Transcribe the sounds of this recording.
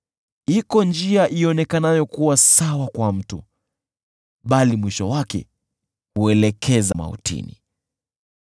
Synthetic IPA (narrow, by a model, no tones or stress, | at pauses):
ikɔnd͡ʒiaʔiɔnɛkanajɔkuwasawakwam̩tu | ɓalimwiʃɔwakɛ̰ | huɛlɛkʰɛzama̰hṵtḭnḭ